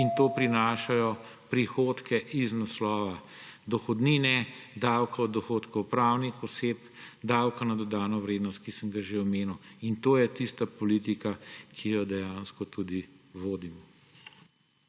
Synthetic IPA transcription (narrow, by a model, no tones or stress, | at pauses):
int̪oːpɾinaːʃajɔ | pɾixoːt̪kɛʔiznaslɔːʋa | d̪ɔxɔd̪ninɛd̪awkaɔd̪ːɔxoːt̪kɔwpɾawnixɔseːpd̪awkanad̪ɔd̪aːnɔʋɾeːd̪nɔst̪̚kisəmɡaʒeɔmeːnuwint̪oːjɛt̪ist̪apɔlit̪ikakʰijɔd̪ɛjaːnskɔt̪uːd̪iʋoːd̪imɔ